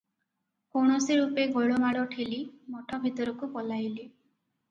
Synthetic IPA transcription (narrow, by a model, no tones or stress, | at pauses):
koɽ̃ɔsiɾupeɡoɭomaɽɔʈʰilimɔʈʰɔbʱit̪ɔɾɔkupɔlajli